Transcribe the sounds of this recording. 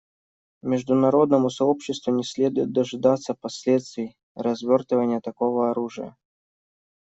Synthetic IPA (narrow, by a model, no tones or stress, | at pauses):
mʲɪʐd̪ʊnɐɾod̪nəmʊsɐopɕːɪst̪vʊnʲɪsʲlʲe̞d̪ʊjɪt̪̚d̪əʐɨd̪at̪səpɐsʲlʲet̪st̪vʲɪj | rɐzvʲort̪əvənʲɪjət̪ɐkovəɐɾuʐɨjə̰